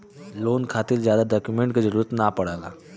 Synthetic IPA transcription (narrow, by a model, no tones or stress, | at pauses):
loːnkʰaːt̪ɪlzjaːd̪aɖaːkjumẽɳʈkazɐɾuːɾət̪napɐɽaːɡaː